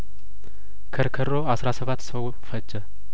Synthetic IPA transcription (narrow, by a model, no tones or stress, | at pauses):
kʰəɾkʰəɾo̞asɾasəβat̪ːsəw | fəd͡ʒːə